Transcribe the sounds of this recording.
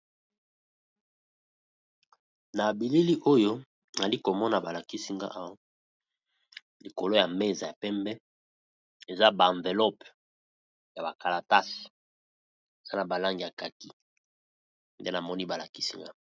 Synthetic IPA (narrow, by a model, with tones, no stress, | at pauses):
na˨bi˨li˦li˦ʔo˦jo˦ | na˨li˦ko˨mɔ˦na˨ba˨la˨ki˦si˦ŋɡa̰˦ʔa˦wa˦ | li˨ko˨lo˦ja˨me˦za˨ja˨pɛ˦mbɛ˦ | e˨za˦bã˨ɱve˨lɔ˦p | ja˨ba˨ka˨la˨ta˦s | e˨z̥a˦na˨ba˨la˦ŋɡi˨ja˨ka˨ki˦ | nde˦na˨mɔ˦ni˦ba˨la˨ki̥˦si˦ŋɡa˦